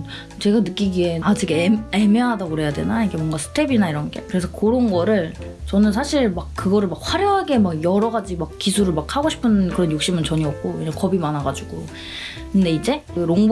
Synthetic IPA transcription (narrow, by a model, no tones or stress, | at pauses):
t͡ɕe̞ɡanɯk͈iɡiead͡ʑiɡeemeɦadaɡoɾe̞jadwe̞̰naiɡe̞mwʌŋɡasʰɯ̥tʰebinaiɾʌnɡe̞kɯɾe̞sʰʌkoɾonɡʌɾɯɭ | t͡ɕʌnɯnsʰaɕʰiɭmak̚kɯɡʌɾɯɭmak̚ɸwaɾjoŋɦaɡe̞maɡjʌɾʌɡad͡ʑimak̚k͈isʰuɾɯɭmakhaɡoɕʰi̥pʰɯnkɯɾʌnjuk̚ɕ͈imɯnt͡ɕʌɲiʌp̚k͈oiɾʌnkʌbimanaɡad͡ʑuɡ̥o | kɯnde̞id͡ʑe̞ɾoŋ